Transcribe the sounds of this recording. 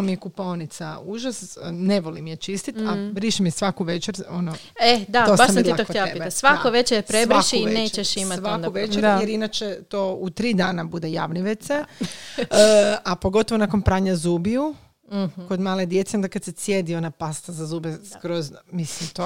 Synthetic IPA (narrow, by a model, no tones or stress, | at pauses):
omijekuponit̪sauʒasneʋolimjet͡ʃist̪it̪abɾiʃimijesʋakuʋet͡ʃeɾono | ed̪aosbaʃitd̪iaokot̪elaepiasʋakoʋet͡ʃepɾeʋɾiʃiinneːt͡ʃeʃismat̪ʋauʋet͡ʃejeɾinat͡ʃet̪out̪ɾiːd̪aːnabud̪eja̰ːʋniʋet̪se | apo̞ɡot̪o̞ʋonako̞npɾaːɲazuːbiu | ko̞d̪maːled̪je̞t̪seo̞nd̪akad̪sesjed̪io̞napast̪azazuːbeskɾozmislimt̪o